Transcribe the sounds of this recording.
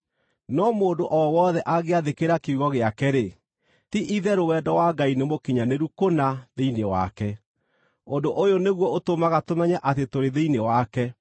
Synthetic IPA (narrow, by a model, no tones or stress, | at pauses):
nɔmoːndoʔɔwɔðɛʔaɣeaðekeɾakeuɣɔɣeakɛɾe | tiʔiðɛɾowɛdɔwaɡainemokiɲaneɾukonaðeinewa̰kɛ | ondoʔojoneɣwɔotomaɣatomɛɲɛʔatetoɾeðeinewakɛ